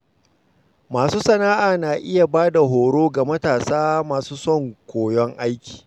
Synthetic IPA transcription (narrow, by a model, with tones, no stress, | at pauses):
maː˨suː˦sɐ˨naː˦ʔaː˨naː˨ʔɪ˦ja˨baː˦da˨ɦoː˨ɽoː˦ɡa˨mɐ˦taː˨saː˦maː˨suː˦sɔ˦˨ŋkʷoː˨jɔ˦ŋʔa˦jkʲi̥ː˨